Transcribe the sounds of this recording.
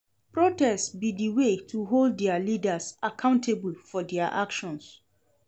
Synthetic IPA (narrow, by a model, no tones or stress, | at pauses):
pɹotɛstbidiwetʰuɦoldːɛalidasakʰãʊ̃ntʰebulfɔdɛaʔa̰kʃɔ̃ns